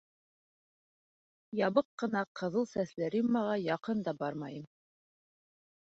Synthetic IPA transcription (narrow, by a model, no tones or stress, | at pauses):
jɑβɤqːɤ̆nɑqɤ̆ðɤlˠsæθlæɾimːɑʁɑjɑqɤnd̪ɑbɑɾmɑjɤm